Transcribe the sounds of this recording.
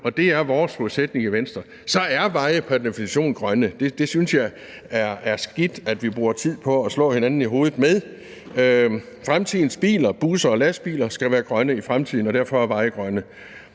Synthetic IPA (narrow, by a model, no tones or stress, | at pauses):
ɒ̽d̥e̝æɐʋɒːsʁuðˠsed̥ne̝ŋiʋensd̥ʁɐ | sɒ̽æɐʋɑ̈ɪəpʰæɐdefinæɕo̝̰ːnɡ̥ʁɶnəd̥e̝d̥e̝synsjɑ̈ɪ | ɐæɐsɡ̥id̥æd̥ʋib̥ʁuːɐt͡sʰið̞̰ˠpʰɒ̽æslɔ̰̽ːhenænn̩iɦo̝ːð̞ˠð̩ˠmeðˠ | fʁamt͡sʰiðˠn̩sb̥ḭːlɐb̥usɐɒ̽læsb̥ḭːlɐsɡ̥æʋæːɐɡ̥ʁɶnəifʁamt͡sʰiðˠn̩ɒ̽ɾ̥æɐfɒ̽æɐʋɑ̈ɪəɡ̥ʁɶnə